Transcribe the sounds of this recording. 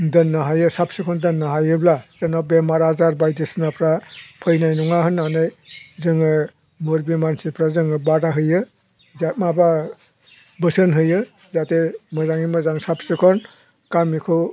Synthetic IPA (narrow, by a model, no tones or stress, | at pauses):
dɯnːaɦajɯsap̚sɯkʰɔndɯnːaɦajɯblazenabemaɾazaɾbajdisnapʰɾapʰɯjnajnɔŋaɦɯnːanɯjzɯŋɯ | muɾbimansipʰɾazɯŋɯbaɾaɦɯjɯ | zat̚maba | bɯsɯnɦɯjɯ | zatemɯzaŋimɯzaŋsapsɯkʰɔn | kamikʰɯ